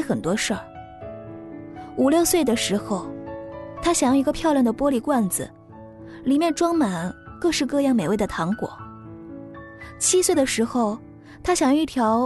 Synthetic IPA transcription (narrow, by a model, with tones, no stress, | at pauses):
xə˨˩nt̪wɔ˥ʂə˞˥˩ | u˨˩ljo˥˧ʊswe˥˩ɪd̪ə˩ʂɻ̩˧˥xo˥˧ʊt̪ʰa˥ɕjɑ˨˩ŋjɑ˥˩ʊi˧˥ɡə˧pʰjɑ˥˧ʊljɑ˥˩nd̪ə˩pwɔ˥li˨˩kwa˥˩nd͡zɹ̩̰˨˩ | li˨˩mjɛ˥˩nʈ͡ʂwɑ˥ŋma˨˩nkɤ˥˧ʂɻ̩˥˧kɤ˥˧jɑ˥˩ŋme˨˩ɪwe˥˩ɪd̪ə˩t̪ʰɑ˧˥ŋkwɔ̰˨˩˦ | t͡ɕʰi˥swe˥˩ɪd̪ə˩ʂɻ̩˧˥xo˥˧ʊ | t̪ʰa˥ɕjɑ˨˩ŋjɑ˥˧i˥˩t̪ʰjɑ˧˥ʊ